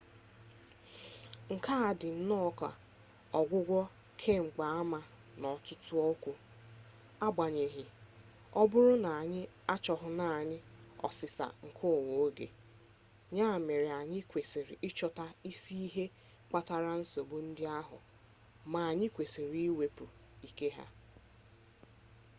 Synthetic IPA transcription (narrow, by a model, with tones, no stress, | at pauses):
ŋ̩˨ka˦a˨dɪ˨n̩˦nɔ˦ka̰˨ | ɔ˨ɡʷʊ˦ɡʷɔ˦ | kʰe˦ŋ͡m̩˨k͡pa˨a˦ma˨ | nɔ˨tʊ˦tʊ˦ɔ˦kʷu˨ | a˦ɡ͡ba˨ɲe˨ɦɪ˨ | ɔ˦bʊ˦ɾʊ˦na˨a˨ɲɪ˦ | a˦t͡ʃɔ˨ɦʊ˨na˨ɲɪ˦ɔ̰˨sɪ˨sa̰˨ŋ̩˨kʰʊ˦˨wo˨o˦ɡḛ˨ | ɲaː˦˨me˨ɾɪ˨a˨ɲɪ˦kʷe˨si˨ɾɪ˨ʔɪ˦t͡ʃɔ˦ta˦i˦si˦i˦ɦe˦ | k͡pa˦ta˦ɾa˦n̩˦so˨bu˦n̩˦dɪ˦a˦ɦʊ̰˨ | ma˨a˨ɲɪ˦kʷe˨si˨ɾi˦i˦we˨pʊ˨i˨ke˦ɦa̰˦